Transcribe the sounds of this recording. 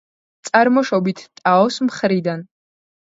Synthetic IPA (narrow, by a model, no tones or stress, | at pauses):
t̪sʼaɾmɔʃɔbit̪ʰt̪ʼaɔsmχɾid̪an